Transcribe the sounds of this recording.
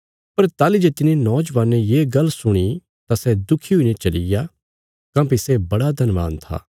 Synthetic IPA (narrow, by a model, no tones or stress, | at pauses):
pɐɾt̪aːlid͡ʒet̪ɪnenɔːd͡ʒʋaːnẽjeːɡɐlsʊɽ̃i | t̪asɛd̪ʊkʰiɦʊinẽt͡ʃɐlɪja | kãːpisɛbɐɽad̪ʱɐnʋa̰ːnt̪ʰa̰ː